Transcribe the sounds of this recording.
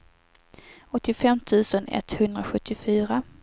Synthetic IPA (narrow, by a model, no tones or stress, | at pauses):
ɔt̪ːɪfɛmt̪ʰʉ̟ːsənɛ̰t̪hɵnd̪ɾaɧɵt̪ʰːɪfyːɾa